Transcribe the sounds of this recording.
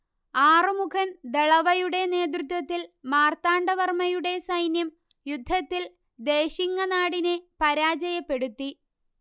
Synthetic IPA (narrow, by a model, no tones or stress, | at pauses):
aːrɨmukʰɐnd̪eɭɐʋɐjuɽe̞ne̞ːd̪̬rɨt̪wɐt̪ːilmaːrt̪aːɳɖɐʋɐrmɐjuɽe̞sɐjnjɐm | jud̪ʱːɐt̪ːil | d̪e̞ːɕiŋːɐnaːɽinepɐɾaːd͡ʑɐjɐpːe̞ɽut̪ːi